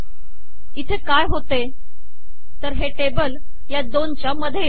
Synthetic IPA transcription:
it̪ʰekajɦot̪e | t̪əɾɦeʈebəl | jad̪ont͡ɕjaməd̪ʱːje

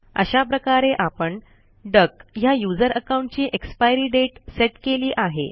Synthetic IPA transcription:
ə̰ɕapɾəkaɾeʔapəɳ | ɖəkjajud͡zəɾəkawuɳʈ̚t͡ɕiːʔekspajɾiːɖeʈseʈkeliːʔaɦḛ

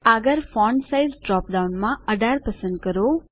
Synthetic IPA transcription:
aɡəɾfɔ̃ːɳɖsajzɖɾɔːp̚ɖaunmãəɖʱaːɾpɐsə̃nd̪̚kəɾo

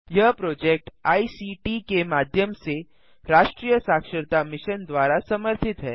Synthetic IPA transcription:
jɐɦpɾoːd͡ʒek̚ʈaːisiːʈikemaːd̪ʱjəmse | ɾaːʃʈɾiːjəsaːkʃəɾt̪amɪʃənd̪waːɾasɐməɾt̪ʰɪt̪ɦɛː

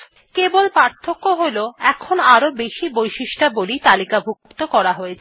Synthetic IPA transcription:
kebolpaɾt̪ʰːokːoɦoloɛkʰonaɾobeʃibojʃiʃʈabolit̪alikabʱukkt̪okɔɾaɦojet͡ɕʰ

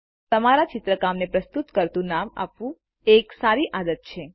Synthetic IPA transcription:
t̪əmaɾat͡ʃɪt̪ɾəkamnepɾəst̪ut̪kəɾt̪ũnama̰pʋũ | eksaɾiʔad̪ət̪̚t͡ʃʰe

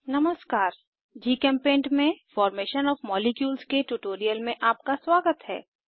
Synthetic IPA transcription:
nɐməskaːɾ | d͡ʒiːkɛ̃ːmpẽːɳʈmẽfɔːɾmeːʃənɔːfmɔːlekjuːlskeʈuʈoːɾijəlmẽʔaːp̚kaswaːɡət̪ɦɛ̰ː

